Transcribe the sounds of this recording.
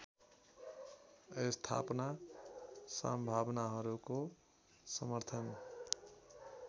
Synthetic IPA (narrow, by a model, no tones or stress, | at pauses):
est̪ʰa̰pna | sa̰mbʱabnaɦʌɾuko | sʌmʌɾt̪ʰʌn